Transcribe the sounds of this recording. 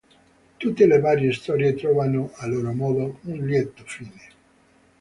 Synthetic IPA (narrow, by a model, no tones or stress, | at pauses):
t̪ut̪ːelevaːɾjest̪ɔɾjet̪ɾɔːvanoʔalːoːɾomɔːðounljɛt̪ːofiːne